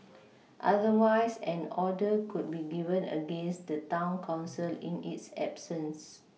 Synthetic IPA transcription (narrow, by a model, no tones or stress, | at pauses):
ʔa̰dəwajsɛ̃nɔdəkʰut̚biɡivə̃nə̰ɡẽnsdətãʊ̃nkʰãʊ̃nsilḭ̃nḭtsɛ̰bsə̃ns